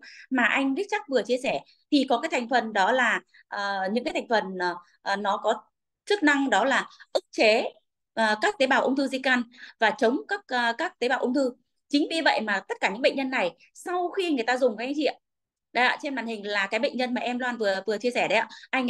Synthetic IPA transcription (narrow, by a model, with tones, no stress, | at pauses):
maː˨˩ʔa˧jŋ̟ɗi˦˥k̚t͡ɕa˦˥k̚vɨ˨˩ət͡ɕi˧əsɛ˧˩ | t̪ʰi˨˩kɔ˨˦kaː˨˦t̪ʰjŋ̟fə˨˩nɗɔ˨˦laː˨˩ | ʔːɲɨ̰˧˥ŋa˨˦t̪ʰŋ̟fə˨˩nː˨˩ | ʔnɔ˨˦kɔ˨˦ | t͡ɕɨ˦˥k̚na˧ŋɗɔ˨˦laː˨˩ʔɨ˦˥k̚t͡ɕe˨˦ | ʔːkaː˦˥k̚t̪e˨˦ɓaː˨˩wʔə˧wŋ͡mt̪ʰɨ˧zi˧ka˧nvaː˨˩t͡ɕə˨˦wŋ͡mkaː˦˥k̚ːkaː˦˥k̚t̪e˨˦ɓaː˨˩wʔə˧wŋ͡mt̪ɨ˧ | t͡ɕï˨˦ŋ̟vi˧və̰˧˨jmaː˨˩t̪ə˦˥t̚kaː˧˩ɲɨ̰˧˥ŋɓə̰˧˨ŋɲə˧nːa˨˩j | sa˧wxi˧ŋɨ˨˩əjt̪aː˧zʊ˨˩ŋ͡mka˨˦ka˨˦jt͡ɕḭ˧˨əm | ɗə˨˦ja̰ː˧t͡ɕe˧nmɓaː˨˩nhï˨˩ŋ̟laː˨˩kaː˨˦jɓə̰˧˨ŋ̟ɲə˧nmaː˨˩ʔɛ˧mlwaː˧nvɨ˨˩əvɨ˨˩ət͡ɕi˧əsɛ˧˩ɗə˨˦a̰ː˧˩ʔa˧jŋ